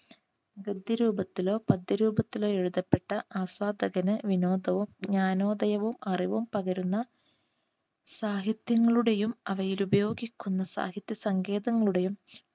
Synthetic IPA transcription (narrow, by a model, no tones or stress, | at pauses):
ɡɐd̪ʱːjɐɾuːbɐt̪ːilo̞ːpɐd̪ːɐɾuːbɐt̪ːilo̞ːe̞ɻuðɐpːe̞ʈːɐʔaːswaːd̪ɐɡɐnɨʋino̞ːd̪ɐʋumɲaːno̞ːd̪ɐjɐʋumɐriʋumpɐɣɐɾunːɐ | saːɦiɐt̪jɐŋːɐɭuɽe̞jumɐʋɐjilubɐjo̞ːɡikʲːunːɐsa̰ːɦɐt̪jɐsɐŋɡe̞ːðɐŋːɐɭuɽe̞jum